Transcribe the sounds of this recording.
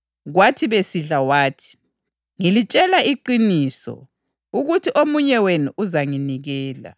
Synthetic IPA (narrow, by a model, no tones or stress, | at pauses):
ɣwatʰiβesiɮawaːtʰi̥ | ŋilit͡ʃʼɛlaiǃiniːsɔ̰ | uɣutʰiʔomuɲɛwenuʔuzaŋiniɣɛːla̰